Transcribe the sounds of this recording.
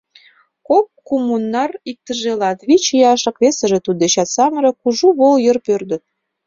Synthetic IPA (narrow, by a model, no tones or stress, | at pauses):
kop̚kumunːɑrik̚t̪əʒelɑt̪βit͡ɕjɑʃɤ̆kβesə̆ʒĕt̪ud̪̚det͡ɕɑt̪sɑməɾɤ̆kuʒuβoljərpørd̪ə̆t̪̚